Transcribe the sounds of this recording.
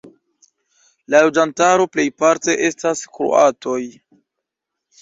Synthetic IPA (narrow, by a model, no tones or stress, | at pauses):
lalo̞d͡ʒantaɾo̞ple̞jpaɾte̞ʔe̞staskɾo̰ato̞j